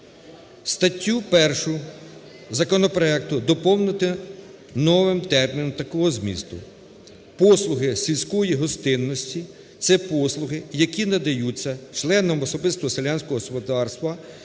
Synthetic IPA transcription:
st̪ɐtʲːupɛrʃʊ | zɐkɔnɔpɾɔɛkt̪ʊd̪ɔpɔwnɪt̪ɪ | nɔʋɪmt̪ɛrmʲinɔmt̪ɐkɔɦɔzmʲḭst̪ʊ̰ | pɔslˠʊɦɪsʲilʲsʲkɔjiɦɔst̪ɪnːɔsʲtʲi | t̪sɛpɔslˠʊɦɪjɐkʲinɐd̪ɐjut͡sʲːɐt͡ʃlˠɛnɔmɔsɔbɪst̪ʋɔselʲanʲsʲkɔɦɔspɔd̪ɑrst̪ʋɐ

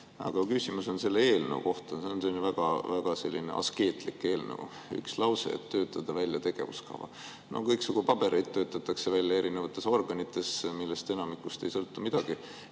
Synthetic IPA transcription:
ɑ̰ɡ̥ɑkysimuso̞nse̞lːee̞ːlnevṵko̞ht̪ɑseonsenvæɡ̥ɑvæɡ̥ɑse̞lʲːine̞̰ʔɑ̰ske̞ːt̪ˑlikːˑe̞ːlnḛvṵ | y̰kslɑwsḛḛt̪ːø̞ːt̪ːˑɑd̪̥ɑvælʲjɑt̪e̞ɡ̥e̞vṵskɑ̰vɑ̰ | no̞̰kɤjksuɡ̥upɑb̥e̞ɾe̞jt̪t̪ːø̞ːt̪ːˑɑt̪ːˑɑkse̞vælʲjɑe̞ɾine̞vɑt̪ːˑe̞so̞rɡ̥ɑnit̪ːˑe̞smilːest̪e̞nɑmikːˑust̪ejsɤ̞lt̪ːumid̪̥ɑɡ̥i

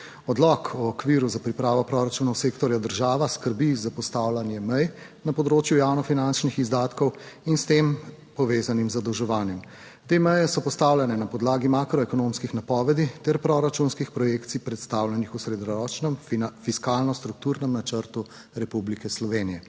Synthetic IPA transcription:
ɔd̪lɔkʰɔɔkʋiɾuzapɾipɾaːʋɔpɾɔɾat͡ʃunɔsekt̪ɔɾjad̪əɾʒaːʋaskəɾbizapɔst̪aːwlanjɛmɛj | napɔd̪ɾoːt͡ʃjujaːwnɔfinant͡ʃnixizd̪aːt̪kɔwinst̪em | pɔʋeːzanimzad̪əwʒɛʋaːnjɛm | t̪emɛjɛsɔpɔst̪awlʲjanɛnapɔd̪laːɡimakɾɔɛkɔnomskixnapɔʋɛd̪it̪ɛɾpɾɔɾat͡ʃunskixpɾɔjekt̪sipɾɛt̪st̪aːwlʲjɛnixusɾed̪nɔɾɔːt͡ʃnɛmfiskaːlnɔst̪ɾuk̚t̪uːɾnɛmnat͡ʃəɾt̪u | ɾɛpublikɛslɔʋeːnijɛ

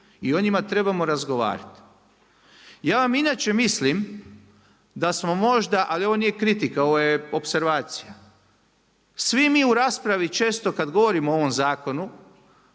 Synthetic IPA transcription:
io̞ɲimat̪ɾe̞bamo̞ɾazɡo̞ʋa̰ːɾa̰t̪ | jaːʋaminaːt͡ʃe̞mislim | d̪asmo̞mo̞ʒd̪aʔalio̞ʋoniːjekɾit̪ikao̞ʋojeo̞pse̞ɾʋaːt̪sija | sʋimiːuɾaːspɾaʋit͡ʃe̞ːst̪o̞kad̪ɡo̞ʋo̞ɾimoo̞ʋo̞mzaːko̞nu

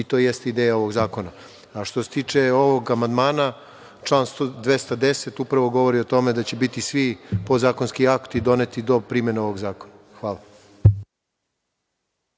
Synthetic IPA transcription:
it̪o̞jest̪eid̪eːjao̞ʋo̞ɡzaːko̞na | aʃt̪o̞se̞t̪iːt͡ʃe̞o̞ʋoɡamand̪maːna | t͡ʃlˠaːnst̪od̪ʋe̞st̪ad̪e̞se̞t̪upɾaʋo̞ɡo̞ʋo̞ɾio̞t̪o̞me̞d̪at͡ɕe̞bit̪isʋipo̞zaːko̞nskiakt̪id̪o̞net̪id̪o̞pɾimeneo̞ʋo̞ɡzaːko̞na | xʋaːlˠa

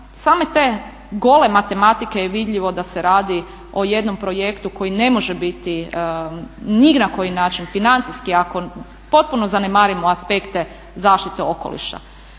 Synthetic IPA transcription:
saːme̞t̪e̞ː | ɡo̞le̞mat̪e̞mat̪ike̞jeʋid̪ʎʲiʋo̞d̪aseɾaːd̪i | o̞je̞d̪no̞mpɾo̞je̞kt̪uko̞jine̞mo̞ʒebit̪i | niɡnako̞jinaːt͡ʃinfinant̪siskiako̞ | po̞t̪̚punozanemaːɾimoaspe̞kt̪e̞ | zaːʃt̪it̪eoko̰lḭʃa̰

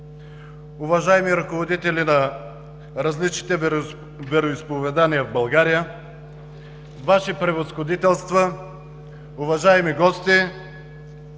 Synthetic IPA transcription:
ʊvɐʒaɛmiɾɐkovod̪it̪ɛlinɐ | ɾɐzlit͡ʃni̥t̪ɛ | vɛɾoispovɛd̪aniəvbɐlˠɡaɾijə | vaʃipɾɛvəsxod̪it̪ɛlˠst̪və | ʊvɐʒaɛmiɡɔst̪i

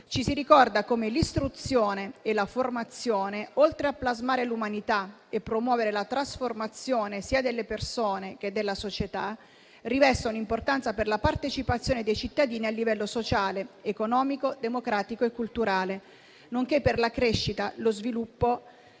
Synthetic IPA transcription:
t͡ʃisiɾikɔrd̪akomelist̪ɾut̪sːjoːneelaformat̪sːjoːneolt̪ɾeapːlazmaːɾelumanit̪a | epːɾomwɔːveɾelat̪ɾasformat̪sːjoːnesiːad̪elːepersoːnek̟ed̪ːelːasot͡ʃet̪a | rivɛst̪ounimport̪ant̪saperlapart̪et͡ʃipat̪sːjoːned̪ejt͡ʃit̪ːad̪iːnialːivɛlːosot͡ʃaːleːkonɔːmikod̪emokɾaːt̪ikoekːult̪uɾaːle | noŋkepːerlakɾeʃːit̪alozvilupːo

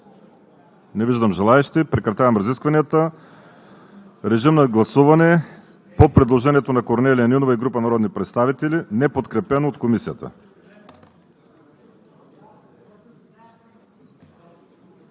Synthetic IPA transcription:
nɛviʒd̪əmʒɛlˠaɛʃt̪ipɾɛkɾɐt̪ʲavɐmɾɐziskvɐnijət̪ə | ɾɛʒimnɐɡlˠɐsuvɐnɛ | popɾɛd̪lˠoʒɛniɛt̪onɐkoɾnɛlʲiɐninovɐiɡɾupɐnɐɾɔd̪nipɾɛt̪st̪avit̪ɛlʲinɛpot̪kɾɛpɛnoːt̪komisijət̪ə̰

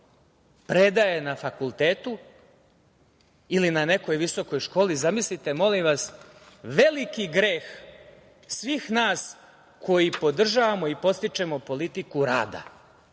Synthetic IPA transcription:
pɾe̞d̪ajenafakulˠt̪eːt̪u | ilinane̞ko̞jʋiso̞ko̞jʃko̞ːlizamislit̪e̞mo̞limʋas | ʋe̞likiɡɾeːx | sʋiːxnaːs | kʰo̞jipo̞d̪r̩ʒaʋamo̞ipo̞st̪it͡ʃe̞mopo̞lit̪ikuɾa̰ːd̪a̰

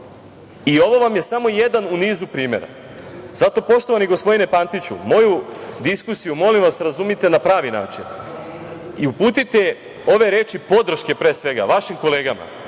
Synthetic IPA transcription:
io̞ʋo̞ʋamje̞samo̞je̞d̪anuniːzupɾiːme̞̰ɾa̰ | z̥at̪o̞po̞ʃt̪o̞ʋaniɡo̞spo̞d̪ine̞pant̪it͡ɕṵmo̞jud̪iskusijumo̞limʋasɾazumit̪e̞napɾaːʋina̰ːt͡ʃin | iupuːt̪it̪e̞ | o̞ʋe̞ɾe̞ːt͡ʃipo̞d̪ɾ̩ʃke̞pɾe̞ːsʋe̞ɡa̰ʋaʃimko̞le̞ːɡama̰

